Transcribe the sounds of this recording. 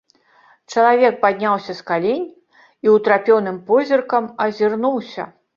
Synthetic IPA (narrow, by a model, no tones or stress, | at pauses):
t͡ʂɐlˠavʲɛk̚pad̪ʲnʲawsʲɐskalʲenʲ | iwt̪ɾapʲɔwnɨmpɔzʲirkɐmɐzʲirnuwsʲɐ̰